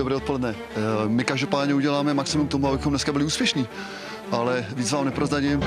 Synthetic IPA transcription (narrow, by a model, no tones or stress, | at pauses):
obɾɛːt̪̚po̞lɛdnɛ | mɪkaʒdopaːdɲɛuɟɛlaːmɛmaksɪmumk̚t̪omuabɪxomnɛskabɪlɪuːspjɛʃɲiː | ʔalɛviːt͡svaːmnɛpɾozɾaɟɪm